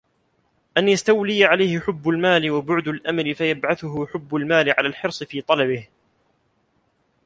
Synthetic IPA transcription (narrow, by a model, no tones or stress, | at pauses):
ʔanjast̪awlɪjaʕalajhɪħʊbːʊlmaːlɪwabʊʕd̪alʔamalɪfajabʕaθʊɦʊħʊbːʊlmaːlɪʕalaːlħɪɾsˤɨfiːt̪ˤɑlɑbɪh